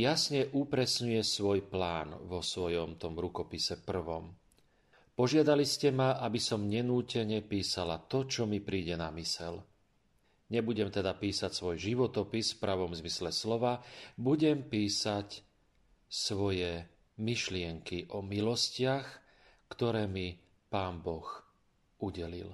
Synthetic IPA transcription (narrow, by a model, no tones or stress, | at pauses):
jasɲɛʔupɾɛsɲujɛsʋɔjplaːnʋɔsʋɔjɔmt̪ɔmɾukɔpisɛpr̩ʋɔm | pɔʒɪad̪aliscɛmaʔabisɔmɲɛnuːcɛɲɛpiːsalat̪ɔt͡ʃɔmipɾiːɟɛnamisɛl | ɲɛbuɟɛmt̪ɛd̪apiːsacsʋɔjʒiʋɔt̪ɔpisfpɾaʋɔmzmislɛslɔʋabuɟɛmpiːsac | sʋɔjɛ | miʃlɪɛŋkiʔɔmilɔscɪax | kt̪ɔɾɛːmi | paːnbɔx | uɟɛlḭl